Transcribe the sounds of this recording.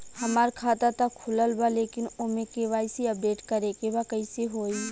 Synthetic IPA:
hɐmaːɾkʰaːt̪at̪akʰːʊləlbaleːkɪnʊmẽkeʋaːɪsiəp̚ɖeːʈkɐɾekebakəɪseɦoːi

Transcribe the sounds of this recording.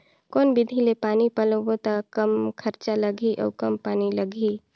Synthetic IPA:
kɔːnbid̪ʱilepaːnipəlobot̪akəmkʰəɾt͡ʃaləɡʱiʔɔ̰ːkəmpaːniləɡʱi

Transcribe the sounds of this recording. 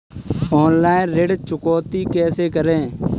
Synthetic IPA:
ɔːnlaːɪ̃nɾeɖt͡ʃʊkɔːt̪ikɛːsekəɾẽː

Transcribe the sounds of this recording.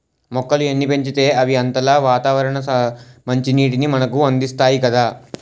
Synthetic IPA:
mɔkːɐluenːipe̞ɲt͡ʃit̪e̞ːɐʋiɐnt̪ɐlaːʋaːt̪aːʋɐɾɐɳɐmɐɲt͡ʃiniːʈ̬inimɐnɐkuɐnd̪ist̪aːjikɐd̪aː

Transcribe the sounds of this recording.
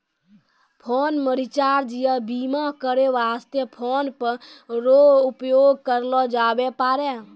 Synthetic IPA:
pʰonməɾit͡ʃaɾd͡ʒijəbimakəɾeʋast̪jəpʰonpəɾɾoupjoɡ̚kəɾlɔd͡ʒabepaɾɛ

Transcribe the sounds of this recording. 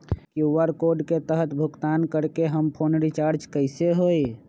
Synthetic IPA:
kjuʋəɾkoɾɖket̪əɦət̪bʱʊɡt̪aːnkəɾkeɦəmpʰoːnɾit͡ʃaːɾd͡ʒkəɪseɦoːi

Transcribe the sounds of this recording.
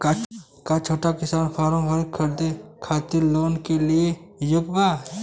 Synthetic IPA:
ka | kat͡ʃʰoːʈakɪsaːnpʰaːɾõɦɐɾkʰɐɾd̪ekʰaːt̪iloːnkeliejʊɡba

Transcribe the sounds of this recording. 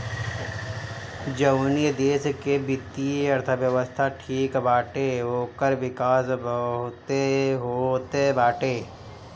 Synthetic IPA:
d͡ʒəwnijəd̪eːskebɪt̪ːiɐɾt̪ʰəʋjəʋəst̪ʰaʈʰiːkbaːʈeɦoːkəɾʋɪkaːsbət̪eɦoːt̪ebaːʈeː

